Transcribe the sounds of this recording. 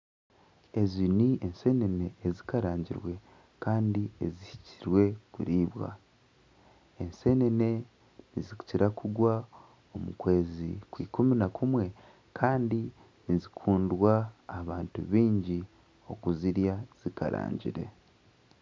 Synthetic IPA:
e̞ziniense̞ne̞ne̞ːzikaɾaːɲɟḭɾwe̞ | kaːndiezihi̥ciɾwe̞kṵɾiːβwa̰ | ense̞ne̞ne̞ | niziku̥ciɾakʰuɡwa | o̞mukwe̞ːzikwḭːkuminakʰumwe̞ | kʰaːndi | nizikʰuːndwaːβaːntṵβiːɲɟi | o̞kuziɾjaz̥ika̰ɾa̰ːɲɟḭɾe̞̰

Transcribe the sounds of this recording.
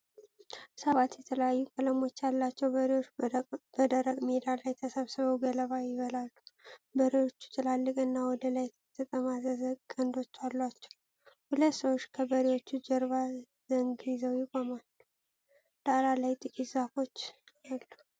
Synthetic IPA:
səβat̪jɛt̪ʰələjajːukʼələmo̞t͡ʃːalːat͡ʃːɛwbəɾiwob̥əd̪əɾəkʼmed̪alajt̪ʰəsəβsɨβəwɡələβajɪβəlalːubəɾewo̞t͡ʃːu̥t̪ʰʼɨlalːɨkʼɨnːawɔd̪əlaj | t̪ʰət̪ʼəmazəzəkʼənd̪o̞t͡ʃːalːwat͡ʃːɛw | hulət̪səwot͡ʃːkʰəbəɾiwo̞t͡ʃːud͡ʒəɾβa | zəŋɡjɪzəwjɪkʼomalː | d̪̥aɾalajt̪ʼɨkʼit̪zafo̞t͡ʃːalːu

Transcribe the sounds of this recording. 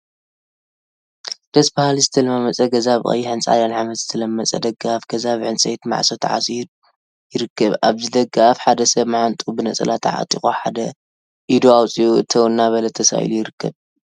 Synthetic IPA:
d̪̥ɐsbahalizɨt̪ʰɐlmamɐt͡sʼɐɡɐzaβxʼɐ̰jːiħɨnt͡sʼʕa̰d̪anʕamɐt̪z̥ɨt̪ʰɐlɐmːɐt͡sʼɐ̰d̪ɐɡːaafɡ̥ɐzaβʕɨnt͡sʼɐjt̪ma̰ʕsot̪ʰʕa̰sʼidu | jɪɾɨkʰːɐβa̰βzɨd̪ɐɡːaafħad̪ɐsɐβmaʕant̪ʼubɨnɐt͡sʼɐ̰lat̪ʰa̰ʕa̰t̪ʼixʼoħa̰d̪ɐ | ʔid̪uawt͡sʼiuɨt̪ʰɐwnːaβɐlɐt̪ʰɐsa̰ʔḭlujɪɾɨkʰːɐβ

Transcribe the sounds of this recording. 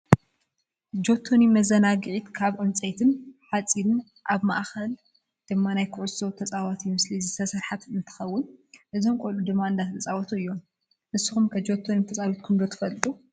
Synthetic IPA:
d͡ʒo̞t̪ʰːonimɐzɐnaɡɨʕit̪kʰaβʕɨmt͡sʼejt̪ʰɨnħat͡sʼilɨn | ʔaβma̰ʔxɐl | d̪̥ɨmːanajkʰʊʕʊso̞t̪ʰɐt͡sʼawat̪ʰimɨslizɨst̪ʰɐsɨɾħat̪ɨnt̪ʰɨ̥xɐwːʊnʔɨzomkʷʼolud̪ɨmːaɨnd̪at̪ʰɐt͡sʼawɐt̪ʰuɨjːo̞m | nɨsːu̥xumkʰɐd͡ʒo̞t̪ʰːonit̪ʰɐt͡sʼawit̪̚kʰumd̪ot̪ʰɨ̥fɐlt̪ʼu

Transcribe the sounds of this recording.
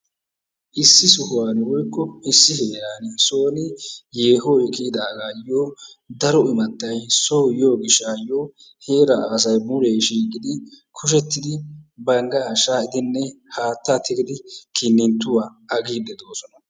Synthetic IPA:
ʔɪsːɪsʊhʊwaːnɪwɔjkːɔɪsːɪheːɾaːnɪsoːnɪje̞ːɦojkɪːd̪aːɡaːjoː | d̪ɐɾɔɪmɐt̪ːɐjsoːjoːɡɪʃːajoː | he̞ːɾɐs̬ɐjbʊɾeːʃiːkɪd̪ɪkʰʊʃ̬ɛt̪ːɪd̪ɪbɐŋɡɐaʃaːɪd̪ɪnːɛhaːt̪ːat̪ʰɪkɪd̪ɪkʰɪnːɪnt̪ːʊwaːɐɡiːd̪ɛd̪o̞ːsɔnɐ

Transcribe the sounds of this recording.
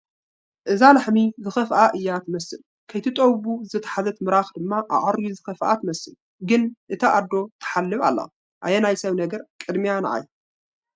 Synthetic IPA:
ʔɨzalaħmizɨxɐfʔaʔɨjːat̪ʰɨmɐsɨl | kʰɐjt̪ʰɨt̪ʼowβuzɨt̪ʰɐ̥ħazɐt̪mɨɾaxd̪ɨmːaʔa̰ʕaɾjuzɨxɐfʔa̰t̪ʰɨmɐsɨl | ɡɨnʔɨt̪ʰɐʔad̪ːo̞t̪ʰɐ̥ħalːɨβa̰lːɐ̰ | ʔajenajsɐβnɐɡɐɾkʼɨd̪mianɐʕa̰j

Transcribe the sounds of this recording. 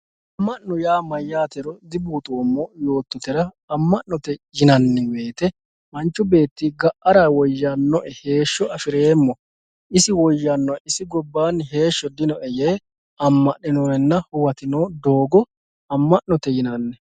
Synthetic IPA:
ʔɐmːɐʔɔjaːmɐjːaːt̪ɛɾɔd̪ɪbuːt̪ʼoːmːɔjo̞ːt̪ːɔt̪ɛɾɐ | ɐmːɐʔɔt̪ɛjɪnɐnːɛwe̞ːt̪ɛ | mɐnt͡ʃːʊbe̞ːt̪ːɪɡɐʔːɐɾawɔjːanːɔʔɛhe̞ːʃːɔɐfɪɾeːmːɔ | ɪsɪwɔjːɐnːɔɛɪsɪɡɔbːaːnɦe̞ːʃːɔd̪ɪnɔʔɛjeː | ɐmːɐʔɪnɔːɛnːɐhʊwɐt̪ɪnoːd̪oːɡɔ | ɐmːɐʔːɔt̪ɛjɪnɐnːɛ

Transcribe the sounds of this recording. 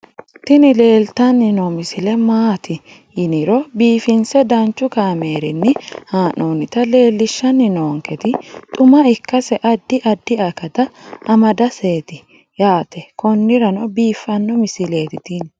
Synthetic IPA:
t̪ɪnɪle̞ːlt̪ɐnːɪnɔmɪsɪlɛmaːt̪ɪ | jɪnɪɾɔbiːfɪnsɛd̪ɐnt͡ʃːʊkaːmeːɾɪnːɪhaːnoːnɪt̪ɐle̞ːlːɪʃːɐnːɪnoːŋkɛt̪ɪt̪ʼʊmɐɪkːɐsɛʔɐd̪ːɪʔɐd̪ːɪɐkːɐt̪ɐɐmɐd̪ɐse̞ːt̪ɪ | jaːt̪ɛkɔnːɪɾɐnɔbiːfːɐnːɔmɪsɪle̞ːt̪ɪt̪ɪn

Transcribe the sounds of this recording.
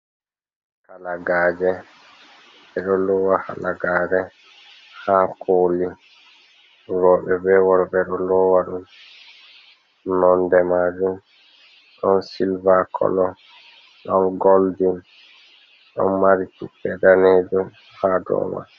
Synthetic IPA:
kalaɡaːd͡ʒɛ | ɛɗɔlɔwaha̰laɡaːɾɛ | hakʰoːli | ɾɔɓɛbɛwɔɾɓɛɗɔlɔwaɗum | nɔndɛmad͡ʒum | ɗɔnsilvakʰɔ̰lɔ | ɗɔnɡoldin | ɗɔ̰nmaɾitipɛdaned͡ʒum | hadɔ̰ːma̰

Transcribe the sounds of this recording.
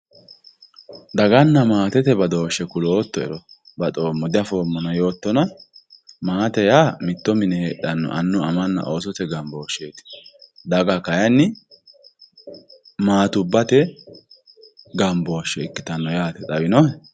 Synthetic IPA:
d̪ɐɡɐnːɐmaːt̪ɛt̪ɛbɐd̪o̞ːʃːɛkʊloːt̪ːɔɛ̰ɾɔ | bɐt̪ʼoːmːɔd̪ɪɐfo̞ːmːɔnɐjo̞ːt̪ːɔnɐ | maːt̪ɛjaːmɪt̪ːɔmɪnɛheːɗɐnːɔ̰ʔɐnːʊɐmɐnːɐ̰ʔo̞ːsɔt̪ɛɡɐmbo̞ːʃeːt̪ɪ̥d̪ɐɡɐkɐjɐnːɪ | maːt̪ʊbːɐt̪ɛ | ɡɐmbo̞ːʃːɛɪkːɪt̪ɐnːɔjaːt̪ɛt̪ʼɐbɪnɔ

